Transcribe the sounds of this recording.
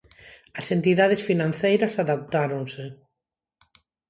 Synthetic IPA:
ɐsent̪iðað̞esfinãnθejɾɐsaðap̚t̪aɾonse

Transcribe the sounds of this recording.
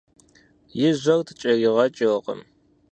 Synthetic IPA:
jɪʑʷɐrtʰɨ̥t͡ʃʼɐrɪʁɐt͡ʃʼɪqə̰m

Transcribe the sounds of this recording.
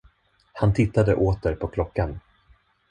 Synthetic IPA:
hant̪ʰɪt̪ːad̪əʔoːt̪əɾpʰɔkʰlɔkːan

